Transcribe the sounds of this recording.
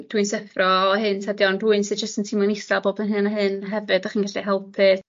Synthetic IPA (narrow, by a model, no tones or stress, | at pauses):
d̥uɨnsɛfrɔːhɨntʰadjɔnduɨnsɨd̚d͡ʒəstəntʰiːmanmisaboːbənɦɨnaɦɨnɦɛvɨdaχiːnɡaɬiɦɛlˠpʰɨ